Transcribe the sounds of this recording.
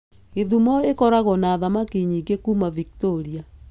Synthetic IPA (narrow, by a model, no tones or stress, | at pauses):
eðumɔekɔɾaɣɔnaːðamakiɲiɡekuːmavik̚toɾia